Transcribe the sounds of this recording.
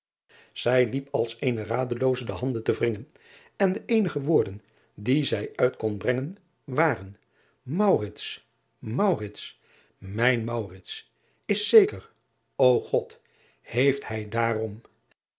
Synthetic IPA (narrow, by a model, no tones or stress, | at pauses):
z̥ɛjlipɑlˠsejnəraːdəlowzədəɦɑndəntəvrɪŋən | ɛndəʔejnəχəʋʊːɹdən | dizɛjœɥtkɔnbrɛŋən | ʋaːrən | mɑwrɪts | mɑwrɪts | mɛjnmɑwrɪts | ɪsːejkəɹ | owχɔt | hejfthɛjdaːrɔm